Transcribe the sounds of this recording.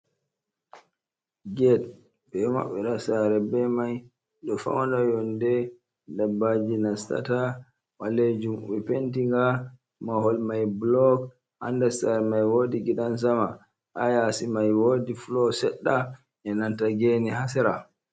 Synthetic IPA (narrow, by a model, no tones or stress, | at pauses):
ɡɛd̚ | bɛma̰ɓːɛɗasaɾɛbɛmaj | ɗɔfa̰wndajɔndɛ | dabːad͡ʒinasta̰ta | waled͡ʒumwɛpentiŋɡa | mahɔlmajblɔk | ha̰ndasaɾɛmajwodiɡiɗans̬ama | ʔajasimajwodiflɔsɛɗːa | ɛnantaɡeniɦasɛɾa